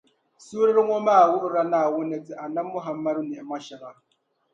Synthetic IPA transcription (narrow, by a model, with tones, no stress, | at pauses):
su˦ɾi˦ɾi˦ŋʷɔ˦ma˦a˨wʊ˦ɾɾa˦na˦˨wʊ˦ne˨d͡zi˦ʔa˨na˦mʊ˦ɦa˨mːa˦ɾu˦nɛ˨ma˦ʃa˨ɾa˨